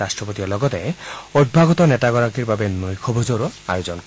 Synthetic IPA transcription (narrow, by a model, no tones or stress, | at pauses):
astɹɔpot̪iɔlɔɡɔt̪ɛod̚bʱaɡɔt̪ɔnɛtaɡɔɹakiɹbabenojkʰɔbʱozoɾoa̰jozɔnk